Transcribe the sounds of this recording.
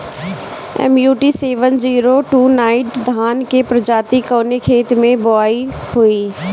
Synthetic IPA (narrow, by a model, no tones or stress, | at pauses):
ɛ̰mjuːʈiseːʋənd͡ʒiːɾoʈuːnãːɪ̃ʈd̪ʱaːnkepɾəd͡ʒaːt̪ikɔːnekʰeːt̪mẽboaːi | hoiː